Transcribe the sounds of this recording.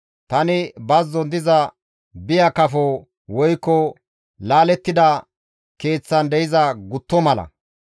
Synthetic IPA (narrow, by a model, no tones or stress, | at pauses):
t̪ɐnɪbɐzːɔnd̪ɪzɐ | bɪjɐkɐfɔ | wɔjkːɔ | laːlɛt̪ːɪd̪ɐ | ke̞ːt͡sːɐnd̪ɛjɪzɐɡʊt̪ːɔmɐlɐ̰